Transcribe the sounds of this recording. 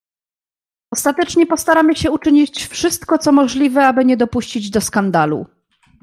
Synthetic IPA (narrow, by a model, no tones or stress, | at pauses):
ɔst̪at̪ɛt͡ʂɲɛpɔst̪aɾamɘɕɛut͡ʂɘɲit͡ɕfʂɘst̪kɔt̪sɔmɔʐlʲivɛabɘɲɛd̪ɔpuɕt͡ɕid͡ʑd̪ɔskand̪alṵ